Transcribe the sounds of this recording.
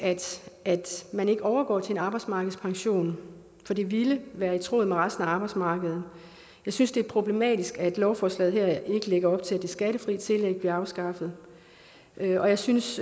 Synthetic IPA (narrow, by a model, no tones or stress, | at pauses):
æd̥æd̥mæne̝ɡ̥əɒʊɐɡ̥ɒ̰ːt͡sʰe̝e̝nɑ̈ːb̥ɑ̈ɪ̥smɑ̈ːɡ̥ð̩ˠspʰɑ̈ŋɕo̝̰ːn | fɒ̽d̥e̝ʋiləʋæːɐit͡sʰʁo̝̰ːð̩ˠmeʁɑ̈sd̥n̩æɑ̈ːb̥ɑ̈ɪd̥smɑ̈ːɡ̥əð̞ˠn̩ | jɑ̈ɪsynsd̥e̝æɐpʰʁo̝b̥le̝mɛ̰ːd̥isɡ̥æd̥lɒʊfɒːslɛ̰ːðˠɦæɐ̰e̝ɡ̥əleɡ̥ɐɒ̽b̥̚t͡sʰe̝æd̥e̝sɡ̥æɾəfʁḭt͡sʰe̝leɡ̥̚b̥liɐɑ̈ʊsɡ̥ɑ̈fəð̞̩ˠ | øɒ̽jɑ̈ɪsyns